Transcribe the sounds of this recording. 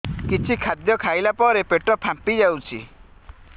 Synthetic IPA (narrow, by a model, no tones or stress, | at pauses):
kit͡ʃʰikʰad̪jɔkʰajlapɔɾepeʈɔpʰampid͡ʒawt͡ʃʰḭ